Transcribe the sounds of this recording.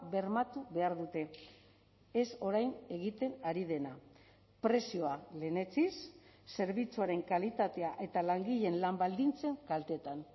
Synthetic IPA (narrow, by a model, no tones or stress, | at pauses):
be̞ɾmat̪uβe̞aɾðut̪e̞ | eso̞ɾajne̞ɣ̞it̪e̞naɾið̞e̞na | pɾe̞sio̞ale̞ne̞t͡sisːe̞ɾβit͡suaɾe̞ŋkalit̪at̪e̞aʔe̞t̪alaŋɡiʎe̞nlambald̪int͡se̞ŋkalt̪e̞t̪an